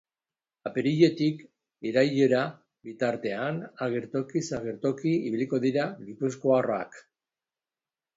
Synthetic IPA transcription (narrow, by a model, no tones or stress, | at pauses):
apeɾiʎe̞t̪ik | iɾajʎeɾa | bit̪aɾt̪e̞anaɣe̞ɾt̪o̞kisaɣeɾt̪o̞kiiβiliko̞ðiɾaɣipusko̞aroa̰k